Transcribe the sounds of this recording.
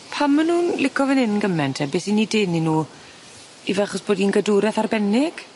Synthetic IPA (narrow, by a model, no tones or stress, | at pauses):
pʰamːənhuːnlɪkʰɔvənɪnənɡəmɛntʰɛbeːsinidɪnːinuː | ivɛaχɔsb̥oːdinɡəduɾɛθarbɛnɪɡ̥